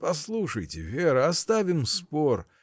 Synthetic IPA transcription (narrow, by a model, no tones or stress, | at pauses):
pɐslˠuʂəjtʲɪ̰vʲeɾɨɐst̪avʲɪmspor